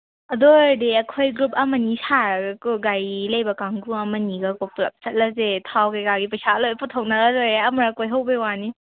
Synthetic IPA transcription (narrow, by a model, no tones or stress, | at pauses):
ɐdojdeɐkʰojɡɾup̚ɐmɐnisaɾɡkoɡajlɐjbɐkaŋɡuɐmɐniɡakopla̰p̚t͡ʃɐt̚lɐzetʰawkajkaɡipɐjsalojputʰawnaɡɐɾojɐmaɾakojɦawbewani